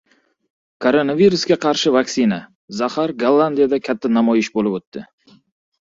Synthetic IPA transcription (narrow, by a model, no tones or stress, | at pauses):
kʰoɾo̞naviɾusɡʲaqʰɑɾʃɪvaksina | zahaɾɡalˠːand̪ijad̪akʲʰat̪ʰːanamɒjɪʃbolɪbot̪ʰːɪ